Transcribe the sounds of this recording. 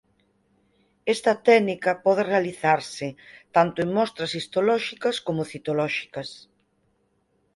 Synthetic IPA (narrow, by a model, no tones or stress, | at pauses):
ɛst̪ɐt̪ɛnikɐpɔð̞ɪrealiθaɾsɪt̪ant̪ʊeŋmɔst̪ɾɐsist̪olɔʃikɐskomʊθit̪olɔʃi̥kɐs